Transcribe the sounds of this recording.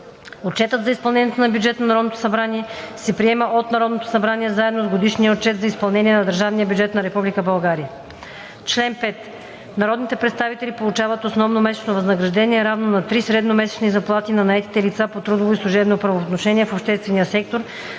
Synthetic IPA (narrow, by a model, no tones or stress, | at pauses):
ott͡ʃɛt̪ət̪zɐispɐlˠɛnʲijɛt̪onɐbʲjud͡ʒɛt̪nɐnɐɾɔd̪not̪o̥sɐbɾaniɛsɛpɾiɛməʔot̪nɐɾɔd̪not̪o̥sɐbɾaniɛzaɛd̪nozɡod̪iʃnijəot̚t͡ʃɛt̪zɐispɐlˠnɛniɛnɐd̪əɾʒavnijəbʲjud͡ʒɛt̪nɐɾɛpublikəbɐlˠɡaɾiə | t͡ʃlɛnpɛt̪ | nɐɾɔd̪nit̪ɛpɾɛt̪st̪avit̪ɛlipolˠut͡ʃavət̪osnɔvnomɛsɛ̥t͡ʃnovɐznɐɡɾɐʒd̪ɛniɛɾavnonɐt̪ɾisɾɛd̪nomɛsɛ̥t͡ʃnizɐplˠat̪inɐnɐɛt̪i̥t̪ɛlit̪sapot̪ɾud̪ovoislˠuʒɛbnopɾɐvoːt̪noʃɛniɛfopʃt̪ɛst̪vɛniəsɛk̚t̪oɾ